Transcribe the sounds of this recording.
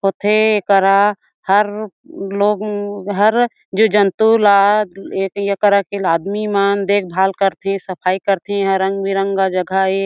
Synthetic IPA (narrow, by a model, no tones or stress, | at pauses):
ɦot̪eekəɾa | həɾ | loːɡɦɐɾ | d͡ʒod͡ʒənt̪ulaekjəkəɾakelaːd̪mimaːnd̪eːk̚ʰbʱaːlkəɾt̪eɦẽsəpʰaːikəɾt̪eɦɛ̃ɦəɾːə̃ŋɡbiɾə̃ŋɡkad͡ʒəɡʱae